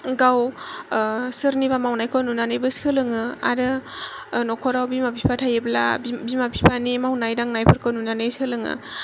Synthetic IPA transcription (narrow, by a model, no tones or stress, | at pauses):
ɡaw | sɯɾniβamawnajkʰɔnunanɯjbɯshɯlɯŋɯa̰ɾɯ | nɔkʰɔɾawbimapʰipʰatʰajebla̰bbimapʰipʰanimawnajdaŋnajpʰɯɾkʰɯnunanɯjsɯlɯŋɯ̰